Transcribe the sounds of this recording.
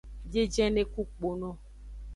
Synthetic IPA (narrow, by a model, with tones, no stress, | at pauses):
d͡ʒe˦d͡ʒɛ̃˦ne˦ku˦k͡po˨nɔ̃˦